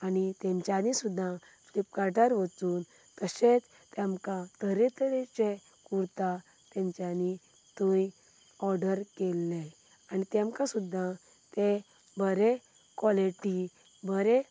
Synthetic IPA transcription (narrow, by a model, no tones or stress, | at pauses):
anit̪ɛ̃ɲt͡ɕjanisud̪ʱːa | flipkaʈaɾʋət͡suːn | t̪əɕet͡s | t̪ɛmkãt̪əɾet̪əɾet͡ɕe | kuɾt̪a | t̪ɛ̃ɲt͡ɕani | t̪õj | ɔɾɖəɾkelːe | anit̪ɛ̃mkãsud̪ʱːã | t̪e | bəɾe | kʋɔliʈi | bəɾe